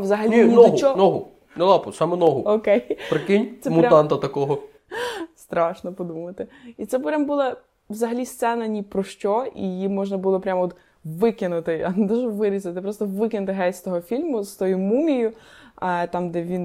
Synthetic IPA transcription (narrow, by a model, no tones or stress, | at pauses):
ʋzɐɦɐlʲnʲinɔɦʊt͡ʃɔnɔɦʊ̰ | nɛlˠɑpɔsɑmɛnɔɦʊɔkɛjpɾɪkɪnʲt̪ɛmʊɾʲaɑnt̪ɐt̪ɐkɔɦɔ | st̪ɾɑʃnɔpɔd̪umɐt̪ɪit̪sɛppɾʲambulˠɐ | ʋzɐɦɐlʲist̪sɛnɐnʲipɾɔʃt͡ʃɔḭjimɔʒnɐbʊlˠɔpɾʲamɔt̪ | ʋɪkʲɪnʊt̪ɪɐnɛd̪ɔʒɛʋɪɾʲizˠɐt̪ɪpɾɔst̪ɔʋɪkʲɪnʊt̪ɪɦɛsʲt̪ɔɦɔfʲilʲmʊst̪ɔjumumʲijʊɐt̪ɑmd̪ɛʋʲin